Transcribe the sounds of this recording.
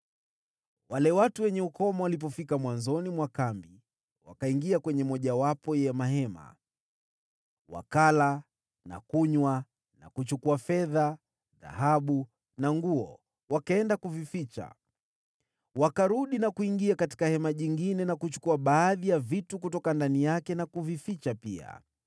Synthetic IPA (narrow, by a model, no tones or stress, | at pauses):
walɛwatuwɛɲɛukɔmawalip̬ɔfikamwanzɔnimwakambi | wakaiŋɡiakwɛɲɛmɔʄawapɔjɛɛmaɦɛma̰ | wa̰kala | na̰kuɲwa | na̰kut͡ʃukuafɛða | ða̰haɓu | naŋɡuɔ | wakaɛndakuvifit͡ʃa̰ | wakaɾuɗinakuiŋɡiakati̥kahɛmaʄiŋɡinɛnakut͡ʃu̥kuaɓaːðijavitukutɔkandanijakɛnakuvifit͡ʃapia̰